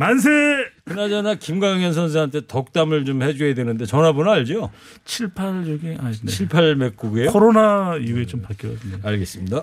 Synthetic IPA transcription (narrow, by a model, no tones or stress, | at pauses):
mans̬ʰekɯnad͡ʑanakimɡaŋjʌns̬ʰʌns̬ʰɯɦantʰe̞tʌk̚t͈amɯɭt͡ɕomhe̞d͡ʑuɦedwenɯnde̞t͡ɕʌnabonaɭd͡ʑo | t͡ɕʰiɭpʰaɭd͡ʑoɡiat͡ɕʰiɭpʰaɭme̞k͈̚uɡejooɾonaijuɡet͡ɕompak͈jʌʌs͈ɯaɭɡe̞s͈ɯmɲida